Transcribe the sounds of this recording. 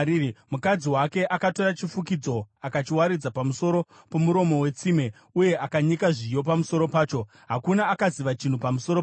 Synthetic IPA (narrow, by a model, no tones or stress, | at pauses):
mukad͡ziwake̞ʔakato̞ɾat͡ʃifukid͡zo̞akat͡ʃiwaɾid͡zapamuso̞ɾo̞ | po̞muɾo̞mo̞we̞t͡sime̞ | uje̞ʔakaɲikaʐijo̞p̬amuso̞ɾo̞paːt͡ʃo̞ | ɦakunaːkaziʋat͡ʃin̤upamuso̞ɾo